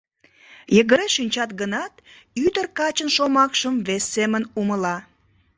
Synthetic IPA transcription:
jəɣəɾeʃinʲt͡ɕɑt̪ɡənɑt̪yd̪ərkɑt͡ɕənʃomɑkʃəmβesːemənuməlɑ

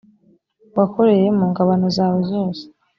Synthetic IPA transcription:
wako̞ɾe̞je̞muːŋɡaβanozaːwozoːse̥

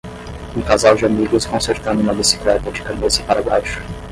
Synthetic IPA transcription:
ũkazawd͡ʒɪamiɡʊskõseɾt̪ɐ̃nd̪ʊũmɐbisi̥klɛt̪ɐd͡ʒɪ̥kamesɪ̥paɾabajʃʊ̥

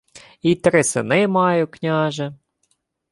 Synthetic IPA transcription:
it̪ɾɪsɪnɪmɑjʊknʲɑʒɛ

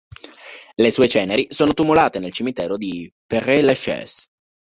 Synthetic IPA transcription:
lesuːet͡ʃɛːneɾisoːnot̪umulaːt̪enelt͡ʃimit̪ɛːɾod̪iperːeleʃɛ̰s

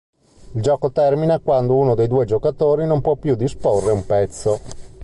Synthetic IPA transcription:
ild͡ʒɔːkot̪ɛrminakwand̪ouːnod̪ejd̪uːed͡ʒokat̪oːɾinompwɔpːjud̪isporːeumpɛt̪sːo

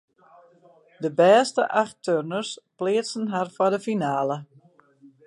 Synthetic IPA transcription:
dəbɛːstəʔaxtʰørnərsplɪːəsənɦarfɔdəfinaːlə

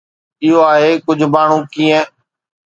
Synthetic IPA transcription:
ɪɦoːaːɦeːkʊd͡ʒʱmaːɳ̤ũːkiːə̃

